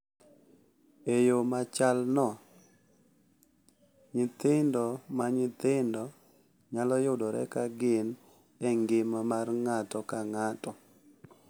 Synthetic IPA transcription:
ejomat͡ʃalnɔ | ɲɪt̪ɪndɔmaɲɪt̪ɪndɔ | ɲalɔjʊdɔɾɛ̰kaɡɪn | ɛŋɡɪmamarŋatɔkaŋatɔ

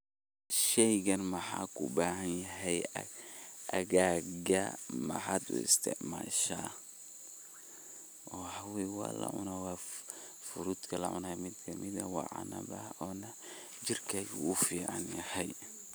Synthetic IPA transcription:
ʃɛjɡɐnmɐħa̰ːkʰʊbaːɦɐnjɐɦɛj | ʔɐɣaːɡɐmɐ̰ħaːd̪ʊ̰ɪ̰st̪ʰɛ̰ʕma̰ːʃa̰ː | ʔɔħawɛjwɑ̰ːlɐ̰ʕʊ̰nawɑː | fʊɾud̪kʰɐlɐ̰ʕʊ̰namɪd̪kʰɐmɪðɐwɑ̰ʕa̰nɐ̰bɐɔːnɐ | d͡ʒɪrkʰɐɡʊfiːʕɑ̰njɐhɛj

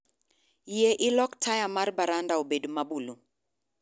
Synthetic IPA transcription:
jeʔɪlɔktʰajamarbaɾandaobedomabulu

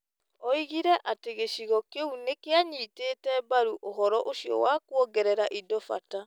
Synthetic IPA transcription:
ɔiɣiɾɛʔateɣeɕiɣɔkeunekeaɲiːteːtɛbaɾuʔoɦɔɾɔʔoɕiɔ̰wakwɔɡɛɾɛɾaʔidɔfa̰ta

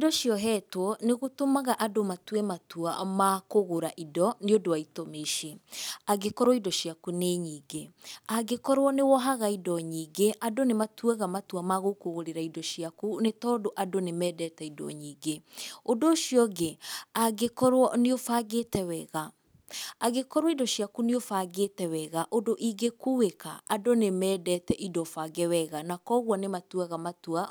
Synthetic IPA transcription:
idɔʃjɔɦɛtwɔneɣotomaɣaʔadomatwɛmatua̰makoɣoɾaʔidɔneodoaitomeʃeaɡekɔɾwɔidɔʃjakuneɲiːɡeaɡekɔɾwɔnewɔɦaɣaidɔɲiːɡeʔadonematwɛɣamatwamaɣokoɣoɾeɾaidɔʃiakunetɔːdoʔadonemɛːdɛtɛidɔ̰ɲiːɡeodoʃjɔɣeaɡekɔɾwɔneofaɣetɛwɛɣa | aɣekɔɾwɔidɔʃjakuneofaɡetɛwɛɣaʔodoʔiɡekuweka̰ːdonemɛːdɛtɛʔidɔfaɡɛwɛɣanakɔɣwɔnematwaɣamatua

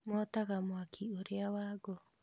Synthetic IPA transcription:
moat̪aɡamoakʰioɾeawaɡo

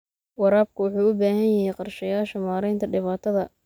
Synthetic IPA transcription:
wɑɾaːb̚kʰʊwʊħuːʊbaːɦɐnjɐɦɛjqɑrʃɐjaːʃɐmaːɾɛjnt̪ʰɐɖɪβaːt̪ʰɐðɐ

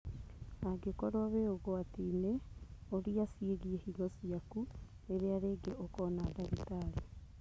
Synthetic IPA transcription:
aɡekɔɾowaβeoɣoatineoɾiasieɣiehilɔsiaku | eɾeaɾeɡeʔokɔnadaɣitaɾe

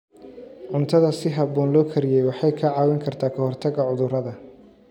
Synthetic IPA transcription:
ʕʊnt̪ʰɐðɐsɪɦɐbɔːnlɔːkʰɐɾɪjɛjwɑħɑjkʰɐʕɑːwɪŋkʰɐrt̪ʰaːkʰɐhɔrt̪ʰɐɡɐʕʊðʊɾɐðɐ

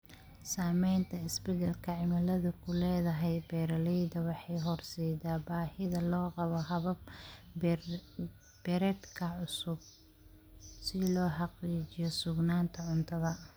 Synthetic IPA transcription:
saːmɛjnt̪ʰɐɪsbɛɣɐlkʰɐʕɪmɐlɐðʊkʰʊlɛːðɐɦɛjbɛːɾɐlɛjd̪ɐwɑħɑjɦɔrsɛjd̪aːbaːhɪðɐlɔːqɑβɔɦɐβɐb̚ | b̥ɛɾɛd̪kʰɐʕʊsʊb̚ | sɪlɔːħɑqiːt͡ʃɪjɔsʊɡnaːnt̪ʰɐʕʊnt̪ʰɐðɐ

